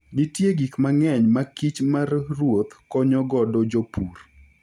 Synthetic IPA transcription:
ɡɪtjeɡikmaŋɛɲmakit͡ʃmarrwot̪kɔɲɔɡɔdɔd͡ʒopur

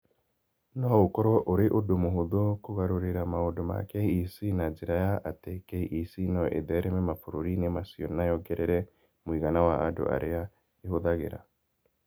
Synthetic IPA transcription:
nohoukoɾoʔuɾiʔudumuɦuðukuɣaɾuɾiɾamauduma̰keiisinad͡ʒiɾajaʔatekeiʔisinoʔḛðeɾememafuɾuɾinemasionajoɡeɾeɾe | mwiːɣanawaa̰dṵa̰ɾija | ihuðaɣḛɾa̰

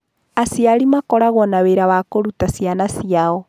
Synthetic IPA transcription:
asiaɾimakɔɾaɣwɔnaweɾawakoɾutasjanasiaɔ

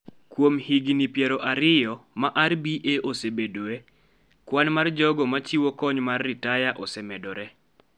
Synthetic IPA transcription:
kwomhiɡnipjɛɾɔʔaɾɪjɔmaʔarbiʔeʔosebedwe | kwanmard͡ʒɔɡɔmat͡ʃiwokɔɲmarːɪtajaʔɔsɛmɛdɔɾɛ

